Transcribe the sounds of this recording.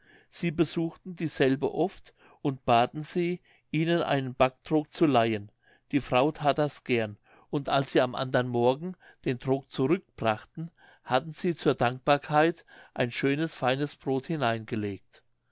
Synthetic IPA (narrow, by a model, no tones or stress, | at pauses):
z̥iːbəzuːxtn̩diːzɛlbə̰ʔɔft | ʔʊntb̥aːtn̩ziː | ʔiːnənʔa̰ɪnənb̥ak̚d̥ʁʊk̚t͡sulaɪən | d̥iːfʁ̥aʊtʰaːtdasɡ̥ɛɐn | ʊntʔa̰lsz̥iːamʔa̰ndɐnmɔɐɡŋ̩ | d̥eːndʁʊk̚t͡suʁʏk̚b̥ʁaχtn̩ | hatn̩z̥iːt͡suːɐdaŋk̚b̥aːɐkʰaɪtʔaɪnʃøːnəsfaɪnəsb̥ʁoːthɪnaɪnɡəleːk̚t